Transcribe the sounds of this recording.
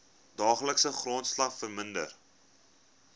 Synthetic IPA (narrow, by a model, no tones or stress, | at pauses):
dɑːχləksəχroːntslɐχfərməndə̰r